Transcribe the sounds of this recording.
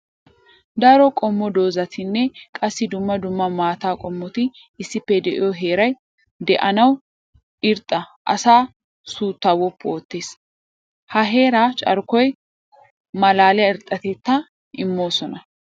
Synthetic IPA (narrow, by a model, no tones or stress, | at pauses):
d̪ɐɾɔkʼɔmːɔd̪o̞ːzɐt̪ʰɪnːɛkʼɐsːɪd̪ʊmːɐd̪ʊmːɐmaːt̪aːkʼɔmːɔt̪ɪ | ɪsːɪpːɛd̪ɛʔɪjɔɦe̞ːɾɐj | d̪ɛʔɐnɐw | ɪɾt̪ʼːɐʔɐ̰saː | suːt̪ːawɔpːo̞ːt̪ːeːs | hɐɦe̞ːɾaːt͡ʃʼɐ̰ɾkɔj | mɐlaːlɛɪɾt̪ʼːɐt̪ɛt̪ːɐ | ʔɪmːo̞ːsɔnɐ